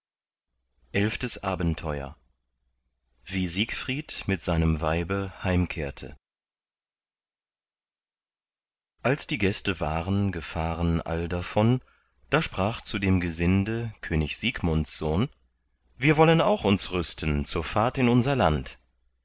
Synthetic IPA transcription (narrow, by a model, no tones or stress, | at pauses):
ʔɛlftəsʔaːbn̩tʰɔʏɐ̰ | viːziːkfʁ̥iːtmɪtz̥aɪnəmvaɪbəhaɪmkʰeːɐtʰə̰ | ʔalsd̥iːɡɛstəvaːʁənɡəfaːʁənʔa̰ldafɔn | d̥aːʃpʁ̥aːχt͡sudeːmɡəzɪndəkʰøːnɪçz̥iːkmʊntsz̥oːn | viːɐvɔlənaʊxʊnsʁʏstʰn̩t͡suːɐfaɐtɪnʊnzɐlant